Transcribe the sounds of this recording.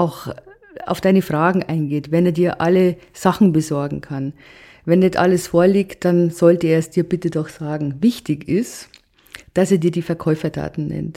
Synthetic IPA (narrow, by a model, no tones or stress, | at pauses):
ʔaʊx | a̰ʊfd̥aɪnəfʁ̥aːɡŋ̩ʔaɪnɡeːtvɛneːɐdiːɐʔaləz̥aχn̩bəzɔɐɡŋ̩kʰan | vɛndɛtʔa̰ləsfoːɐliːkt̚d̥anz̥ɔltəeːɐsd̥iːɐbɪtədɔxz̥aːɡŋ̩vɪçtɪçɪst | d̥aseːɐdiːɐdiːfɛɐkʰɔʏfɐtʰa̰ːtn̩nɛ̰nt